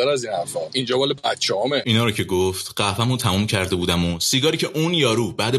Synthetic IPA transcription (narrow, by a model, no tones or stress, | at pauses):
æɾæziːnhæɾfɒind͡ʒɒːbɒːlebæt̪t͡ʃʰɛhɒmeʔiːnɒːɾocʰe̞ɡoft̪ɢ̥æfæmut̪ʰæmuːmcʰæɾd̪e̞buːd̪æmosiːɡɒːɾiːcʰeʔunjɒːɾuːbæːd̪e